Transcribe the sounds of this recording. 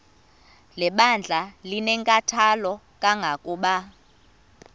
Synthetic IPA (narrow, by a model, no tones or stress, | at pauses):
lɛɓand͡ɮʱalinɛŋkʼatʰalɔ | kʼaŋɡʱakʼuːɓa